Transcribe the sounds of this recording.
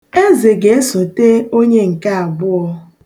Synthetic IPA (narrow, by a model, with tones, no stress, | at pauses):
e˦ze˨ɡe˨e˦sʊ˨te˦o˦ɲe˦ŋ̩˨ka˦a˨ɡ͡bʊ˦ɔ˦